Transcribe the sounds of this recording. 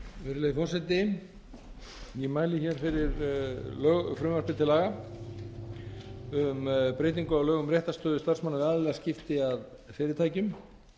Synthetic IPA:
ʏɾleðɪfɔsɛt̪ɪ | jɛmaːjlɪçɛɾ̥fɪɾɪɾlœːɣfɾʏmaɾpɪt̪ʰɪlaːɣa | ʏmpɾeːjt̪̬iŋkʏawlœːɣʏmɾjɛht̪ast̪œːðʏst̪arsmanːavɪaðalɛɣascɪft̪ɪað | fɪːɾɪt̪ʰaːjcʏm

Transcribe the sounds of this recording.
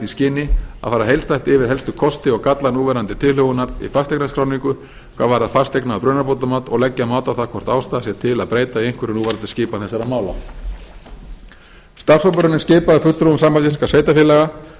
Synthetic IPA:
iscɪːnɪa̰faːɾaɦejlst̪ajht̪ɪvɪðɦɛlst̪ʏkʰɔst̪ɪɔɣkat̪lanuːvɛɾant̪ɪt̪ʰɪlhœɣʏnaɾḭfast̪ejknaskʰɾaːwniŋkʏ | kʰvaːɾvaːɾaɾfast̪eknapɾʏːnaɾpowt̪̬amaːt̪ɔɣlɛcːamaːwt̪awθakʰvɔr̥t̪awst̪aːðasjɛt̪ʰɪlaðpɾeːjt̪aiejŋ̥kʰvʏɾɪnuːvɛɾant̪ḁscɪːpanθɛsːaɾamaːwla̰ | st̪aɾ̥sowpʏɾʏnɪnscɪːpaðɪfʏt̪ɾoʏmsaːmpajt̪isin̥kasveːjt̪afjɪlɛɣa

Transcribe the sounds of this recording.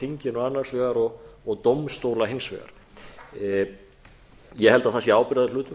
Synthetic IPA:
iɲcɪnɔanːḁsvɛːɣaɾɔɣːɣt̪owmst̪owlaɦensvɛ̰ːɣa̰ɾ̥ | jɛɦɛlt̪aðθasjɛaːwpɪɾaðɪlʏːt̪ʏ

